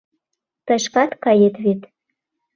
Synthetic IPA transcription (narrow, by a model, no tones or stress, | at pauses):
t̪ɤ̆ʃkɑt̪kɑjet̪βet̪